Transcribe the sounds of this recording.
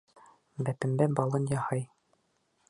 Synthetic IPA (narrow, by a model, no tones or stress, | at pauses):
bæpɘ̆mbæbɑlˠɤnjɑhɑj